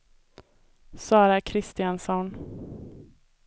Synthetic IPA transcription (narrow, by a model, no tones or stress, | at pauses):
sɑːɾakʰɾɪst̪ɪansɔn